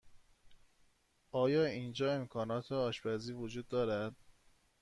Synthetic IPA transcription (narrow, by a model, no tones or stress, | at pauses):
ʔɒːjɒːind͡ʒɒːe̞mkʰɒːnɒːt̪ʰeɒːʃbæziːvod͡ʒuːd̪ːɒːɾæd̪̥